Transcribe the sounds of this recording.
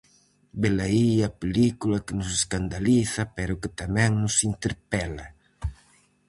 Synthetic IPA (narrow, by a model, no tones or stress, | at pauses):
belaiapelikulakɪnʊseskand̪aliθapɛɾʊkɪt̪amɛ̃ŋnʊsint̪eɾpɛla